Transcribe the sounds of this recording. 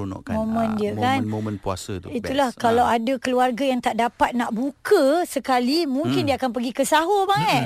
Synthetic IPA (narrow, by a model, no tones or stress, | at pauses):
nɔ̰momə̃ndiəkanomənpua̰sət̪uit̪ulahkalawadakəluarɡajaŋt̪aʔdapat̪̚naʔbukəsəkalimũŋkɪndiəakanpəɡikəsaɦobaŋɛʔ